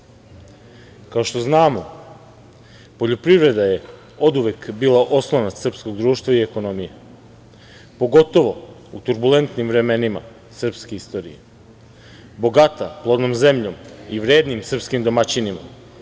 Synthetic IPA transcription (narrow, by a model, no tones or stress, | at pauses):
kaoʃt̪o̞znaːmo̞ | po̞ʎopɾiʋɾe̞d̪aje̞ | o̞d̪uʋekbiːlaʔo̞slˠanasr̩psko̞ɡd̪ɾuːʃt̪ʋaie̞ko̞no̞mije | po̞ɡo̞t̪o̞ʋo̞ut̪uɾbule̞nt̪nimʋɾe̞me̞nima̰ | sr̩pske̞ist̪o̞ːɾḭje̞̰ | bo̞ɡat̪aplˠod̪nomze̞mʎo̞miʋɾe̞ːd̪nimsr̩pskimd̪o̞mat͡ɕinima̰